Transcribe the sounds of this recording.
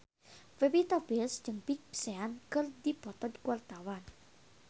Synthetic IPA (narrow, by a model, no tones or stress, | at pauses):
febit̪abisd͡ʒəŋpik̚seankərd̪ibɔt̪ɔd̪i̥kuwart̪awan